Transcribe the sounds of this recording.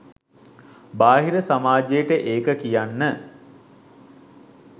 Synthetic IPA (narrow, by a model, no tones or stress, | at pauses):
baːɦiɾəsamaːd͡ʒejəʈəʔeːkəkijanːə